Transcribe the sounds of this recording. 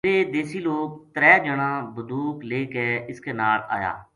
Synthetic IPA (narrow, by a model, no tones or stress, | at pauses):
eːd̪eːsiːloːk̚t̪əɾɛːd͡ʒəɽãːbəd̪uːkleːkeːɪskeːnaːɾa̰ːja̰ː